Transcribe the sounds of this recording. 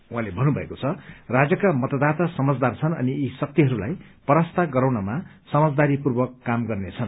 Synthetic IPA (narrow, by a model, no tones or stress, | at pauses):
uɦãlebʱʌnːubʱʌekot͡sʰʌrad͡zʌkamʌt̪ʌd̪at̪asʌmʌd͡zd̪art͡sʰʌnʌ̰niisʌk̚t̪iɦʌɾulaj | pʌɾast̪aɡʌɾawnʌma | sʌmʌd͡zd̪aɾipurbʌkːamɡʌrnet͡sʰʌn